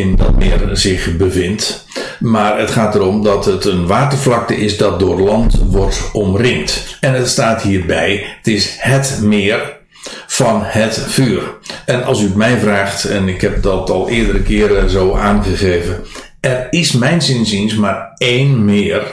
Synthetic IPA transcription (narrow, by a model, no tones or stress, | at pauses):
ɪndɑ̰t̚mɪ̰ːərzɪχbəvɪnt | maːrətχaːtəɾɔmdɑtətənʋaːtəflɑk̚təʔɪsdɑt̚dʊːrlɑntʋɔrtɔmrɪŋtɛnətstaːthiːrbɛjətɪshətmɪːr | fɑnhətfyːərɛnɑ̰lˠsyətmɛjvraːχtɛnɪkhɛp̚dɑtɑlˠɪːdəɾəkɪːɾəzoːʔaːnχəɣeːvə | ʔɛrɪsmɛjnsɪnzinsmaːɹejnmɪːər